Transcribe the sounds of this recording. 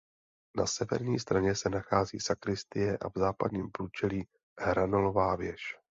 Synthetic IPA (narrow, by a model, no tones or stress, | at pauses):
na̰sɛvɛ̰ɾɲiːst̪ɾaɲɛsɛnaxaːzḭːsakɾɪst̪ɪjɛʔa̰vzaːpa̰d̪ɲiːmpɾuːt͡ʃɛliː | hɾanolovaːvjɛʃ